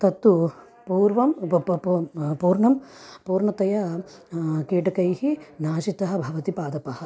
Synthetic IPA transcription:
t̪ɐt̪ːu | puːɾʋɐm | puːɾɳɐmpuːɾɳɐt̪ɐjɐ | kiːʈɐkɐjhinaːʃit̪ɐɦɐ̆bʱɐʋɐt̪ipaːd̪ɐpɐhɐ̆

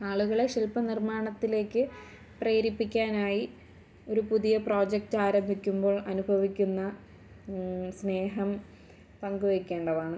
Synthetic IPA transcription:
aːɭuɣɐɭeʂilpɐnirmaːɳɐt̪ːile̞ːkːɨ | preːɾipːikʲːaːnaːji | o̞ɾupuðijɐpro̞ːd͡ʑek̚taːɾɐmbʱikʲːumbo̞ːɭʔɐnubʱɐʋikʲːunːɐ | sne̞ːɦɐm | pɐŋɡuʋekʲːe̞ːɳɖɐʋaːɳɨ

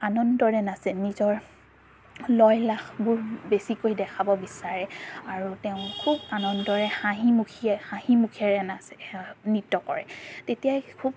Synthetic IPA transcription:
anɔndɔɹɛnasɛnizɔɹ | lɔjlaxbʊɹbesikojdɛkʰabɔbisaɹɛaɹuteʊ̃kʰubanɔndɔɹɛxaɦimukʰiɛxãhimukʰɛɹɛnasɛnitːɔkɔ̰ɹɛ̰tetijajkʰub

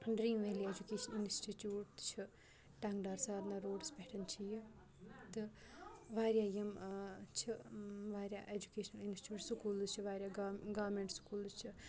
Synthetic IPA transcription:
ɳɖɾiːnʋeɦlied͡ʒukeːʃɐninsʈiʈjuːʈt͡ʃʰi | ʈaŋɡɖaːɾsaːɾnaɾoːɖspeːʈʰɐnt͡ʃʰiji | t̪ɨ | ʋaːɾʲjaːjimt͡ʃʰiʋaːɾʲja̰ːʔed͡ʒukeːʃnɐlinsʈjuːʈsukuːlt͡ʃʰiʋaːɾʲjaːɡaʋmeːɳʈskuːlt͡ʃʰi

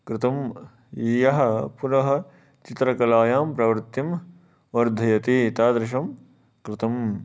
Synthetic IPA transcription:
kɾɪt̪ɐm | iːjɐɦɐ̆puɾɐɦɐ̆ | t͡ʃit̪ɾɐkɐlaːjaːmpɾɐʋɾt̪ːim | ʋɐɾd̪ʱɐjɐt̪iːt̪aːd̪ɾɪʃ̬ɐm | kɾɪt̪ɐm

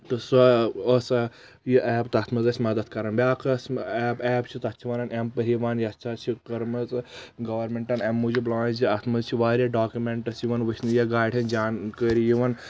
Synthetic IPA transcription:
t̪ɨsɐosɐ | jiʔɛːbt̪ɐt̪ʰmɐzɐsʲmɐd̪ɐt̪̚kɐɾɐnbʲjaːkɐsʲɛːbɛːbt͡ʃʰit̪ɐt͡ʃʰiʋaːnɐnʔempɐɾʲiʋaːnjɐt͡ʃʰat͡ʃʰikɐɾmɐzɡɐʋɐɾmʲeɳʈɐnemːud͡ʒiblãːd͡ʒiɐt̪ʰmɐzt͡ʃʰiʋaːɾʲjaɖaːkjumeɳʈɐsjiʋɐnʋɨt͡ʃnɨjɐɡaːjɖʰʲɐnd͡ʒaːnkəːɾijiʋɐn

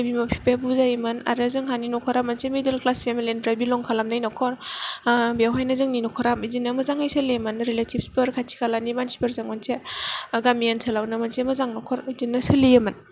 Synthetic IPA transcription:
abimapʰi̥pʰabuzajmɯna̰ɾɯzɯŋɦaninɔkʰɔɾamansemedelklaspʰemilenpɾabilɔŋkʰalamnajnɔkʰɔɾ | bijawɦajnazɯŋninɔkʰɔɾamizinːamazaŋajsɯlemɯnɾeletʰibspɯɾkʰatʰi̥kʰalanibansi̥peɾzaŋɔnsaɡamijansʰalawnamansemazaŋnɔkʰɔɾzinːasɯlijaman

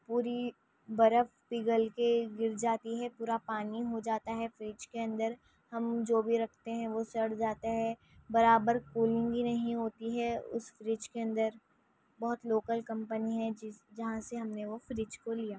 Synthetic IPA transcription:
puːɾi | bɐɾəfpiːɡəlkeɡɪɾd͡ʒaːt̪iɦɛpuːɾapaːniɦod͡ʒaːt̪aɦɛfɾɪt͡ʃkeɐ̃nd̪əɾ | hɐmd͡ʒoːbʱiɾɐkʰt̪eɦɛ̃ʋosɐɽd͡ʒaːt̪aɦɛ | bɐɾaːbəɾkuːlɪ̃ŋɡbinɐɦĩɦoːt̪iɦɛʊ̰sfɾɪt͡ʃkeɐ̃nd̪əɾ | bɐɦʊt̪loːkəlkɐ̃mpəniɦɛd͡ʒɐɦãseɦɐmneʋofɾɪt͡ʃkolijaː

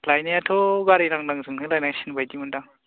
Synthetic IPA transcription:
lajnijatʰoɡaɾiɾaŋdaŋzɯŋnɯlajnaŋsinbajdimundaŋ

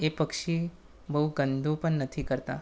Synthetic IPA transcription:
epəkʃi | bəɦuɡənd̪ʱũpəɳnət̪ʰikəɾt̪a

